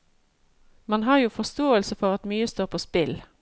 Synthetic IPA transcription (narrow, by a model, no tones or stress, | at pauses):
mɑnɦɑːʁjuːfɔst̪oːəlsəfɔʁɑt̪myːəst̪oːʁpʰoːspɪl